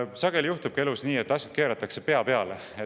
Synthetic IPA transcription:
sɑɡ̥e̞lʲijuht̪ub̥̚kie̞lusniːe̞t̪ːɑsʲjɑd̪̥keːɾɑt̪ːˑɑkse̞pe̞ɑpe̞ɑ̰le | e

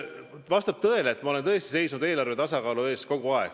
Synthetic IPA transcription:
vɑst̪ɑb̥t̪ɤe̞leːt̪ːˑmɑo̞le̞nɤest̪i̥se̞jsnud̪eːlɑrve̞t̪ɑsɑkɑːlue̞ːsko̞ɡ̥uɑeɡ̥

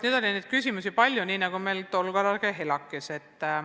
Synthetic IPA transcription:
ned̥̪o̞lʲineːd̪̥kysʲimusipɑlʲjuniːnɑɡ̥ume̞lt̪olɡ̥ɑɾɑɡeɦelɑkːˑese̞t̪ː

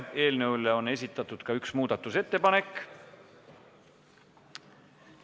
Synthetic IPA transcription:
e̞ːlnewlːeo̞ne̞sʲit̪ːˑɑt̪ːˑud̪̥kɑyksmuːd̪̥ɑt̪ːˑuse̞t̪ːe̞pɑne̞kː

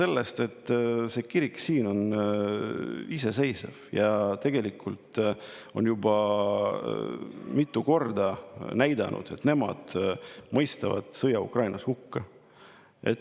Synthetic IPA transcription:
se̞lːest̪e̞t̪ːˑse̞ːkiɾiksiːno̞n | ise̞se̞jsḛv̥jɑt̪e̞ɡ̥e̞likʰult̪ˑ | o̞̰njubɑ | mit̪ːˑuko̞rd̪ɑnæjd̪ɑ̰nʔṵd̪̥e̞t̪ne̞mɑ̰d̪̥mɤ̞jst̪ɑvɑ̰d̪̥sɤjɑukrɑjnɑshukːɑ | e̞t̪

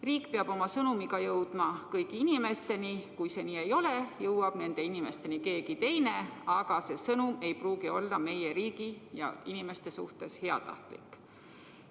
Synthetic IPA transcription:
riːkˑpeɑb̥o̞mɑsɤnumiɡɑjɤwd̪̥mɑkɤjkiinime̞st̪e̞nikujse̞niːe̞jo̞le̞jɤwwɑb̥ne̞nd̪̥e̞inime̞st̪e̞nike̞ːɡit̪e̞jne̞ɑɡ̥ɑse̞sɤnume̞jpruːɡio̞lːɑme̞je̞ɾiːɡijɑ̰inime̞st̪e̞sṵht̪e̞she̞ɑ̰t̪ɑ̰ht̪lḭkːˑ

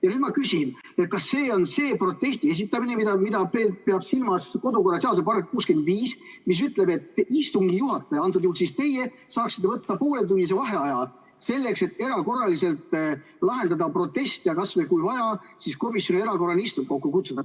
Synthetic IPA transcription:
jɑnyd̥̪mɑkysin | et̪̚kɑsːe̞ːo̞nse̞ːpro̞t̪ːe̞st̪ie̞s̬it̪ːˑɑminemid̪ɑmid̪ɑpepe̞ɑb̥silmɑsko̞d̪uko̞rːɑseɑsepɑrek̚kuːske̞nd̪viːsmis̬yt̪ːˑle̞be̞t̪ːist̪uŋɡijuɦɑt̪ːˑeɑnt̪̬ːˑud̪̥juːlsist̪e̞je̞ | sɑːksi̥t̪ːvɤt̪ːɑpo̞ːlet̪unːis̬e̞vɑɦe̞ɑjɑl | se̞lːekse̞t̪ːe̞ɾɑko̞rːɑlise̞lt̪ | lɑɦe̞nd̪ɑd̪ɑpro̞t̪ːˑe̞st̪jɑkɑsvelkujvɑjɑ | sisko̞misjo̞nie̞ɾɑko̞rɑnist̪um̚ko̞kːukut̪sud̪ɑ

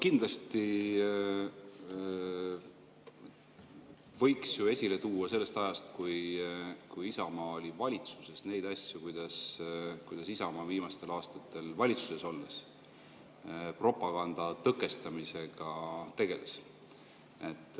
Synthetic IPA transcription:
kind̪lɑst̪i | vɤ̞jksjue̞sʲile̞t̪uːwɑse̞lːe̞st̪ɑjɑst̪kujkujisɑmɑːolʲivɑlʲit̪su̥se̞sne̞jd̪̥ɑsʲjukujd̪̥ɑskujd̪̥ɑsisɑmɑːviːmɑst̪e̞lɑːst̪ɑt̪ːˑe̞lvɑlʲit̪su̥se̞so̞lːes | pro̞pːˑɑɡ̥ɑnd̪̥ɑt̪ɤkːˑe̞st̪ɑmise̞ɡ̥ɑt̪e̞ɡ̥e̞les | e̞t̪ːˑ

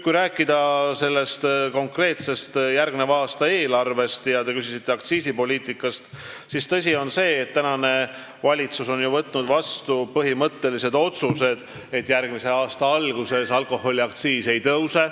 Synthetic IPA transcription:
kujɾæːkːˑid̪ɑse̞lːe̞st̪ko̞ŋkre̞ːt̪se̞st̪jærɡ̚minevɑːst̪ɑe̞ːlɑrve̞st̪jɑt̪e̞kysisit̪ːe̞ɑkt̪siːsipo̞lʲiːt̪ikːˑɑst̪ | sist̪ɤs̬ʲio̞nse̞ːt̪ːænɑne̞ | vɑlʲit̪suso̞njuvɤt̪ːˑnud̪vɑst̪upɤɦimɤt̪ːe̞lise̞d̪o̞t̪suse̞d̪̥ | e̞t̪ːjærɡmise̞ɑːst̪ɑɑlɡ̥use̞sɑlko̞hːo̞lʲiɑk̚t̪siːse̞jt̪ɤwse̞

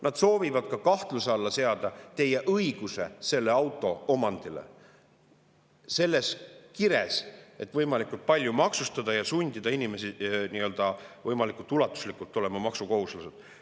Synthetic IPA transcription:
nɑd̪̥so̞ːvivɑd̪̥̚kɑkɑht̪luseɑlːɑse̞ɑd̪ɑt̪e̞jeʔɤiɡ̥use̞̰se̞lːe̞ɑwt̪ːˑo̞omɑnd̪̥ilḛ | se̞lːe̞skiɾe̞se̞t̪ːˑvɤjmɑlikːˑult̪̚pɑlʲjumɑksust̪ɑd̪ɑjɑsunʲd̪id̪̥ɑinime̞siniø̞ld̪̥ɑvɤjmɑlikːˑult̪ːˑulɑt̪ːˑu̥slikːˑult̪ːˑo̞le̞mɑmɑksuko̞ɦuslused̪̥

